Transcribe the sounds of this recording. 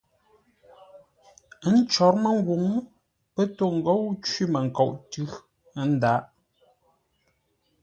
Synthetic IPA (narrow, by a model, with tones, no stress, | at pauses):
n̩˦t͡ʃɔ˨˦ɾmə˦˨ŋ˦ɡu˨ŋ | pə˦to˦˨ŋ̩˨ɡo˦wt͡ʃwi˦mə˨ŋ̩˨kɔ˨ʔtʉ˦ | n̩˦da˨˦ʔ